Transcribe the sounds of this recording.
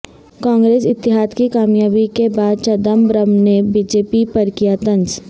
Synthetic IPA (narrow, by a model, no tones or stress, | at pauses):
kãːŋɡɾeːsɪt̪ːɪɦaːd̪kikaːmjaːbikebaːd̪̚t͡ʃɐd̪əmbɾəmnebiːd͡ʒeːpipɐɾkijaːt̪ɐ̃nd͡ʒ